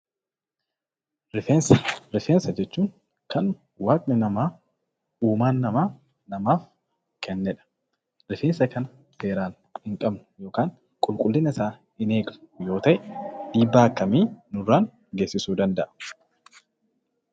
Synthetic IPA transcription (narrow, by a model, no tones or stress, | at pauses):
ɾɪfeːnsɐɾɪfeːnsɐd͡ʒɛt͡ʃːuːŋ | kɐn | waːkʼnɪnɐmaː | uːmaːnːɐmaː | nɐmaːf | kɛnːɛᶑɐ̥ | ɾɪfeːnsɐkɐnɐ | se̞ːɾaːn | hɪŋkʼɐbnʊjo̞ːkaːŋ | kʼʊlkʼʊlːɪnɐɪsaː | ɪne̞ːɡnʊjo̞ːt̪ɐʔɛᶑiːbːaːɐkːɐmiːnʊrːaːn | ɡeːsːɪsuːd̪ɐnd̪ɐʔɐ